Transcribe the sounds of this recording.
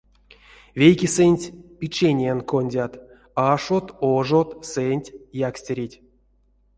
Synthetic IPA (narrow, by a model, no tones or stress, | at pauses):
vʲejkʲisɨnʲtʲpʲit͡ʃenʲenkonʲdʲat̪ | aʂot̪oʐot̪sɛnʲtʲjaksʲtʲeɾʲitʲ